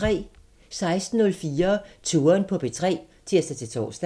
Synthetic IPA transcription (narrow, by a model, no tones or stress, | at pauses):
ʁɛ̰ː | sɑ̈ɪsd̥n̩ːɔ̽lfiːɐt͡sʰuːɐnpʰɒ̽b̥e̝t͡sʰʁɛ̰ː | t͡sʰiɐ̰sd̥æt͡sʰe̝t͡sʰo̝̰ːsd̥